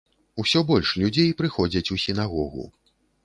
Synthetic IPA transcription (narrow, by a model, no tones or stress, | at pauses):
usʲɔbɔlʲʂlʲud͡zʲejpɾɨxɔd͡zʲɐt͡sʲusʲin̪aɣɔɣṵ